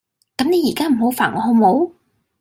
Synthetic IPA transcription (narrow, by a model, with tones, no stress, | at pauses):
kɐ˨˥mne˨˧jiː˨˩kaː˦˥m̩˨˩ho˨˥wfaː˨˩nŋɔː˨˧ho˧ŋmo˨˧˥w